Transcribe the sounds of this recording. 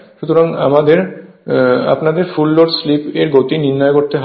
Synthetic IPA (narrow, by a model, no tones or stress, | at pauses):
ʃut̪ʰoɾaŋa̰mad̪eɾ | a̰pnad̪eɾfulːoɖslipeɾɡot̪iniɾnɔjekoɾt̪eɦ